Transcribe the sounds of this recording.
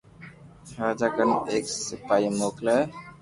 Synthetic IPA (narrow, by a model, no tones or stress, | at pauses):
ɦaːd͡ʒakəneːksɪpaːimoːklə